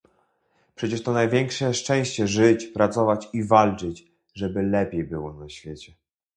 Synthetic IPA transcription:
pʂɛt͡ɕɛʂt̪ɔnajvʲjɛŋkʂɛʂt͡ʂɛ̃w̃ɕt͡ɕɛʐɘt͡ɕpɾat̪sɔvat͡ɕivalt͡ʂɘt͡ɕ | ʐɛbɘlɛpʲjejbɘwɔnaɕfʲjet͡ɕɛ

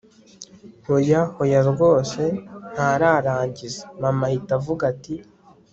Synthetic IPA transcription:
hojahojaɾɡo̞ːse̞n̥haɾaɾaːɲɟizemamahitavuɡati

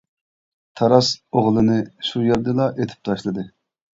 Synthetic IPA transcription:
t̪ʰɑɾɑsoʁlˠɨnɨʃujeɾd̪ɨlˠɑʔet̪ʰɪ̥p̚t̪ʰɑʃlˠɨd̪ɨ

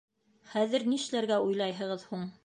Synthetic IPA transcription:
χæðɘ̆ɾniʃlæɾɡæujlˠɑjɦɤ̆ʁɤðhuɴ

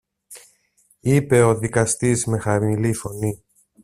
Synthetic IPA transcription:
ipe̞o̞ðikɐst̪izme̞xɐmilifo̞ni

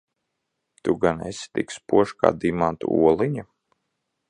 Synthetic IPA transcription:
t̪uɡanḛst̪ḭkspuɔʃka̰ːd̪imant̪ṵṵɔlˠiɲa

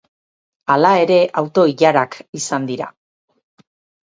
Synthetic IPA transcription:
alae̞ɾe̞ʔawt̪o̞iʎaɾakisand̪iɾa̰

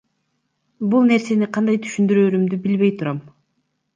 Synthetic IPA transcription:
bulˠne̞ɾse̞niqʰɑnd̪ɑjt̪ʰy̥ʃynd̪yɾøːɾymd̪ybilβe̞jt̪ʰuɾɑm

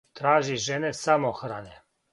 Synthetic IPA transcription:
t̪ɾaːʒiʒɛnesamoxɾane

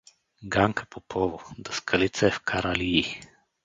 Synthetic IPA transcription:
ɡaŋkʰḁpopʰɔvod̪ɐskʰɐlit̪sɐɛfkʰaɾaliː

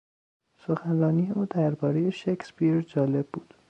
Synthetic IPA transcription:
so̞xænrɒːniːjeuːd̪æɾbɒːɾeje̞ʃekspiɾd͡ʒɒːle̞bːuːd̪̥

